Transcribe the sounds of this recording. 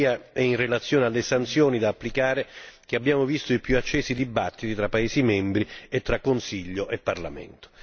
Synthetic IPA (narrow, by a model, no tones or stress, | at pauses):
aɛinrelat̪sjoːnealːesant̪sjoːnid̪aːpːlikaːɾek̟eabːjaːmovist̪oipjuat͡ʃːɛːsid̪ibat̪ːit̪it̪ɾapːaeːsimɛmbɾiet̪ːɾakːonsiʎːoʔepːarla̰mɛ̰nt̪o̥